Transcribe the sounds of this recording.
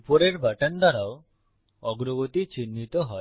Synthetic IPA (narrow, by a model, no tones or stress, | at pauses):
upɔɾeɾbaʈand̪ʱaɾao | ɔɡɾɔɡot̪it͡ʃinːit̪ɔɦɔe